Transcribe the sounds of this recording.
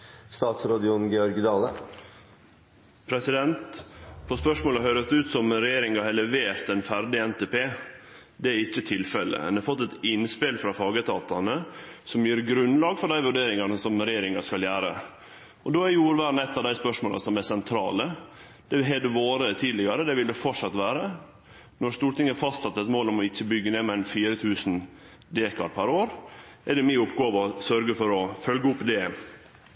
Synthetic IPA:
st̪ɑːt̪sɾɑːd̪ɪʊnɡɛɔɾɡɪd̪ɑːlə | pʰɾɛsɪd̪ɛnt̪pʰɔspœʂmoːləɦøːɾəsʉːt̪sɔmɾɛjeːɾɪŋɑhɛlɛʋeːɾt̪ɛnfæɾɖɪɛnt̪ɛːpʰeːd̪ɛæɾɪçːət̪ʰɪlfɛlːə̰mɛ̰nd̪ɛɑfɔt̪ːɛt̪ɪnspɪlfɾɑfɑːɡət̪ʰɑ̰ːt̪ɑnəsɔmjiːɾɡɾʉnːlɑːɡfɔɖæɪʋʉɖeːɾɪŋɑnəsɔmɾɛjeːɾɪŋɑskɑljæːɾə̰ | ɔd̪oːjuːɾʋæːɾnɛt̪ːɑʋd̪æɪspœʂmoːlɑ̰sɔmɛsɛnt̪ʰɾɑ̰ːlə | d̪̥ɛɦɛd̪əʋoːɾət̪ʰiːd̪lɪɡɑɾəd̪ɛʋɪld̪ɛfɔʈʂɑt̪ːʋæːɾə | nɔɾst̪uːɾt̪ɪŋəfɑst̪sɑt̪ːɛt̪moːlɔmɔɪçːəbʏɡːəneːmɛæɪnfiːɾət̪ʰʉːsn̩ | d̪eːkɑ̰ɾpʰæɾoːɾ | ɛd̪ɛmiːʊpɡoːʋɔsœɾɡəfɔɾɔfœlɡəʊpːd̪ɛ

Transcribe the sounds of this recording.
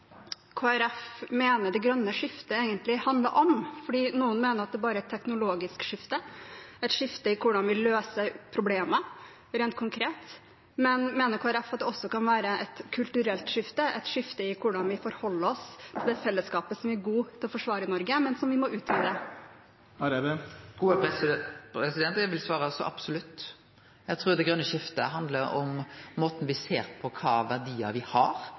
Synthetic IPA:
kʰoːæɾɛfmeːnəɖɛɡɾœnːəʂɪft̪əeːɡənt̪lɪhɑnd̪ləɾʔɔmfɔɖiːnuːənmeːnəɾɑt̪̚d̪ɛːbɑːɾəæɪt̪ʰːɛknʊloːɡɪskʂɪft̪əɛt̪ʂɪft̪əɪkʰʊɖɑnʋɪløːsəpʰɾʊbleːmə | ɾeːnt̪kʰʊŋkʰɾeːt̪ | mɛnmeːnəɾkʰoːæɾɛfɑt̪̚d̪ɛɔsːɔkɑnʋæːɾəʔɛt̪kʰʉlt̪ʉɾɛlt̪ʂɪft̪əʔɛt̪ʂɪft̪əɪkʰʊɖɑnʋɪfɔɾhɔlːəɔst̪ʰɪld̪ɛfɛlːəskɑːpəsɔmæɾɡuːt̪ʰɪlɔfɔʂʋɑːɾəɪnɔɾɡəmɛnsɔmʋɪmɔʔʉːt̪ʰʋiːd̪ə | ɡ̥uːəpɛpʰɾɛsɪd̪ɛnt̪æʋɪlsʋɑːɾəɑsɔ̰ʔɑ̰b̥sʊlʉt̪ː | jæɡt̪ʰɾuːd̪ɛɡɾœnːəʃɪft̪ə̰ɦɑnd̪ləɾɔ̰mːoːt̪n̩ʋɪseːɾpʰɔkʰɑ̰ːʋæʁd̪iːə̰ʋɪhɑ̰ɾ

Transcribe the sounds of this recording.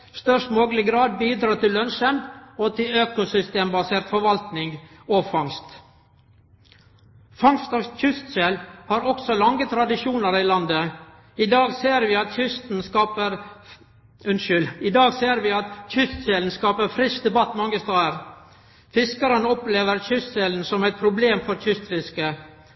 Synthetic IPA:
st̪œʂʈmoːɡlɪɡɾɑːd̪̚biːd̪ɾɑːt̪ʰɪlːœnʃənɔt̪ʰɪløːkʊsʏst̪eːmbɑseːɾt̪fɔɾʋɑlt̪nɪŋɡ | ɔfɑŋst̪ | fɑŋst̪ɔçʏst̪selhɑːɾɔksɔlɑŋːət̪ʰɾɑd̪ɪʂuːnəɾilɑnd̪ə | ɪd̪ɑːɡseːɾʋɪːɑt̪çʏst̪n̩skɑːpəɾ | ʉnʃʏlɪd̪ɑːɡseːɾʋɪɑt̪çʏst̪seln̩skɑːpəɾfɾɪsd̪ɛbɑt̪ːmɛɑŋːəst̪ɑːəɾ | fɪskəɾənəɔpleːʋəɾçʏst̪seːln̩sɔmɛt̪̚pʰɾʊbleːmfɔɾçʏst̪fɪskə

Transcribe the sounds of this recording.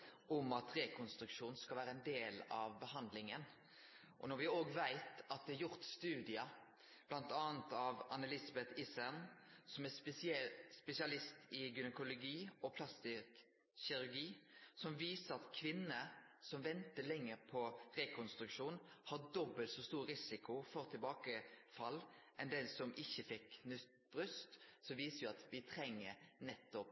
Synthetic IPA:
ʔɔmɑt̪ɾɛkʰɔnst̪ɾʉkʃuːn̩skɑlʋæːɾəɛnd̪eːlɑʋbəhɑnd̪lɪŋən | ʔɔnɔɾʋɪoːɡʋæɪt̪ɑt̪̚d̪ɛɑɾjʊɾt̪st̪ʉːd̪ɪɑ | b̥lɑnt̪ɑːnt̪ɑʋɑnəlɪsɑbɛt̪ʰɪsænsɔmɛ | spɛsɪɑlɪst̪ʰɪɡʏnəkʊlʊɡiːɔpʰlɑst̪ɪk | ɕɪɾʉɾɡiːsɔmʋiːsəɾɑt̪kʰʋɪnːəsɔmʋɛnt̪əlɛŋːəɾpʰɔʁɛkʰɔnst̪ɾʉkʃuːnhɑd̪ɔbːəlt̪sɔst̪uːɾɾɪsɪkʰʊfɔʁt̪ʰɪlbɑːkəfɑlːʔɛnd̪eːlsɔmʔɪçːəfɪknʉt̪ | b̥ʁʉst̪sɔʋiːsəɾjʊɑt̪ʋɪt̪ʰɾɛŋːəɾnɛt̪ːɔp

